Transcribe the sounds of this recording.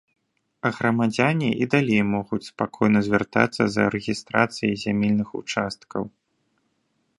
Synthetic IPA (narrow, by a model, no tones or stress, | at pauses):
ɐɣɾɐmad͡zʲanʲiʔid̪alʲejmɔɣut͡sʲspakʰɔjnɐzʲvʲart̪a̰t̪sːɐ̰zɐ̰ɾɛɣʲist̪ɾat̪sɨjizʲamʲelʲnɨxṵt͡ʂast̪kɐw